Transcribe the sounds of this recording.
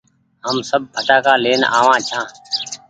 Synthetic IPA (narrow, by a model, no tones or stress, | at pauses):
ɦəmsəb̚bʱəʈaːkaːleːna̰ːʋãːt͡ʃʰãː